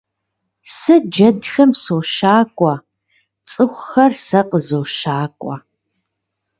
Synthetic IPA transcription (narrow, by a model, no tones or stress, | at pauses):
sɨd͡ʒɐdxɐmsoːʃaːkʷʼɐ | t͡sʼɨxʷʊxɐrsɐqəzoːʃaːkʷʼɔ